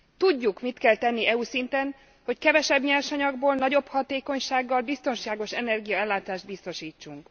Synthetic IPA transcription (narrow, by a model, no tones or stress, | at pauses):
t̪uɟːukmit̪kɛlt̪ɛnːiɛusint̪ɛn | ho̞ckɛvɛʃɛbɲɛrʃɒɲɒɡboːlnɒɟo̞phɒt̪eːko̞ɲʃaːɡːɒlbist̪o̞nʃaːɡo̞ʃɛnɛrɡijɒɛlːaːt̪aːʒd̪̚bist̪o̞ʃiːt͡ʃːuŋk